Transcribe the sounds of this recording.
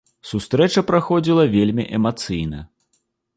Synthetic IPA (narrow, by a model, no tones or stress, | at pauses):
sust̪ɾɛt͡ʂɐpɾaxɔd͡zʲilˠɐvʲelʲmʲiʔɛmat̪sɨjnɐ̰